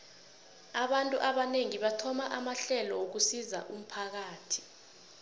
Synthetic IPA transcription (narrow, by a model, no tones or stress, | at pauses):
aɓantʼuʔaɓaneŋiɓatʰɔmaʔamaɬɛlɔwok̬usiza̰ʔum̩pʰak̬aːtʰi̥